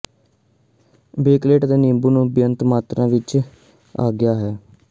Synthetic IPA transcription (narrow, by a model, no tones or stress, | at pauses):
beːkleːʈd̪eːnĩːmbuːnũːbjənt̪maːt̪ɾãːʋɪt͡ʃ | a̰ːɡɪjaːɦɛː